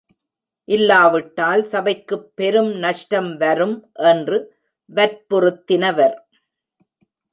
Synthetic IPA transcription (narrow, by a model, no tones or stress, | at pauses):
ʔɪlːaːʋɪʈːaːlsɐbɐɪkːɯpːɛɾɯmnɐʂʈɐmʋɐɾɯmʔɛndrɯ | ʋɐɾpɔɾɯt̪ːɪnɐʋɐɾ